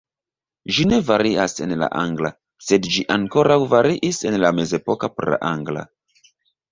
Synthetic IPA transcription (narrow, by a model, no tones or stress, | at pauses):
ʒine̞vaɾiase̞nla̰ʔa̰ŋɡla | se̞dd͡ʒiʔaŋko̞ɾawvaɾiʔise̞nlame̞ze̞po̞kapoɾla̰ʔaŋɡla̰